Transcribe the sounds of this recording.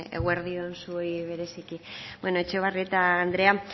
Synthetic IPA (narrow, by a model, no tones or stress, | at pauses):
ḛɣweɾðionsuojβ̞e̞ɾe̞sikibweno̞et͡ʃeβ̞ariet̪aːnd̪ɾe̞a